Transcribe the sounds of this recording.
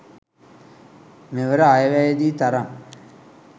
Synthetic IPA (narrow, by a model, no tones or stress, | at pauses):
meʋəɾəajəʋæjəd̪iːt̪aɾam